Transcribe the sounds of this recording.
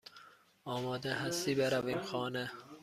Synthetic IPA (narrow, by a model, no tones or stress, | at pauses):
ɒːmɒːd̪eɦast̪ibeɾaviːmxɒːnɛ